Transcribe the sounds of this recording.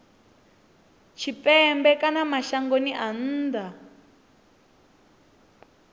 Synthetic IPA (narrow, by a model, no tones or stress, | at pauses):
t͡ʃʰipʼɛmbɛkanamaʃaŋɡoniʔan̩ːd̪a